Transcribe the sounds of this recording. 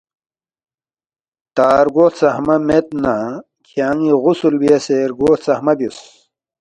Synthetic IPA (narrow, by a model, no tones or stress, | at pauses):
t̪aːɾɡoːt̪sɐhmɐmet̪̚na | kʰaːŋiʁusulbiɐseɾɡoːt̪sɐhmɐbjus